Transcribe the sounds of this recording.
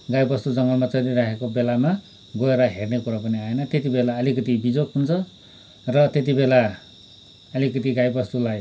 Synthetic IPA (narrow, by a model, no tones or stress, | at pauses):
ɡajbʌst̪ud͡zʌŋɡʌmat͡sʌɾiɾakʰekobelama | ɡoeɾʌɦernekuɾapʌniaenʌt̪et̪ibelaʌlikʌt̪ibid͡zokɦunt͡sʰʌ | rʌt̪et̪̬ibela | ʌlikʌt̪iɡajbʌst̪ulaj